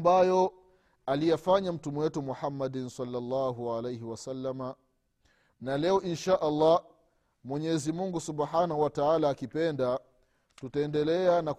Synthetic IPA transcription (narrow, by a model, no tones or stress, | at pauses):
bajɔ | alijafaɲam̩tumɛwɛtumuħamːadnsɑlːalːɑːɦuʕalejɦiwasalːama | nalɛɔʔinʃaːʔalˤːɑ | mwɛɲɛzimuŋɡusubħanahuwataalaːkipɛnda | tutaɛndɛlɛanak